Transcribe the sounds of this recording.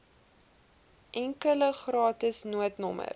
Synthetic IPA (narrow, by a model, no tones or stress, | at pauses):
ʔɛŋkələχrɑːtəsnuətnɔmə̰r